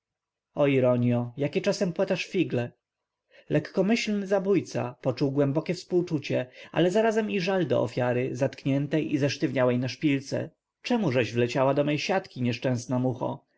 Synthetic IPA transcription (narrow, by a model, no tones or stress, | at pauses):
ɔiɾɔɲjɔjakʲɛt͡ʂasɛmpwat̪aʂfʲiɡlɛ | lʔɛkːɔmɘɕlnɘzabujt̪sa̰pɔt͡ʂuwɡwɛmbɔkʲɛfspuwt͡ʂut͡ɕɛa̰lɛzaɾazɛmiʐald̪ɔ̰ɔ̰fʲjaɾɘzat̪kɲɛnt̪ɛjʔizɛʂt̪ɘvɲawɛjnaʂpʲilt̪sɛ̰ | t͡ʂɛmuʐɛʑvlɛt͡ɕawad̪ɔmɛjɕat̪kʲiɲɛʂt͡ʂɛ̃snamuxɔ̰